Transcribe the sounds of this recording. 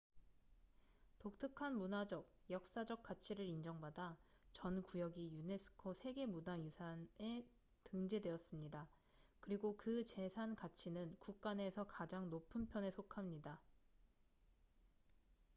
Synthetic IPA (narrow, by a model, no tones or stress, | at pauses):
tok̚tʰɯkʰanmunad͡ʑʌk̚jʌk̚s͈ad͡ʑʌk̚k͈at͡ɕʰiɾɯɾind͡ʑʌŋbadat͡ɕʌnkujʌɡijune̞sʰɯ̥kʰosʰe̞ɡe̞munajusʰane̞ | tɯŋd͡ʑe̞dwe̞ʌs͈ɯmɲida | kɯɾiɡokɯt͡ɕe̞sʰankat͡ɕʰinɯnkuk̚k͈ane̞sʰʌkad͡ʑaŋnopʰɯnpʰjʌne̞sʰokʰamɲida